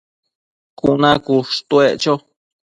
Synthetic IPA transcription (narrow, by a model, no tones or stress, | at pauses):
kuʔnãkuʂt̪ueʔt͡ʃo